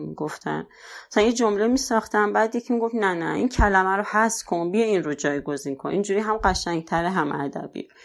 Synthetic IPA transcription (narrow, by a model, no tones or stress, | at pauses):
miɡoft̪ʰæ̰n | æsænjed͡ʒomlemiːsɒxt̪ʰæmbæːd̪jecʰmiɡo̞fnænæʔincʰælæmæɾohæskʰonbijeinɾod͡ʒɒːjɡo̞zinkʰonʔind͡ʒuːɾiɦæmɢæʃæŋɡ̚t̪ʰæɾeɦæmʔæ̰d̪æ̰bḭ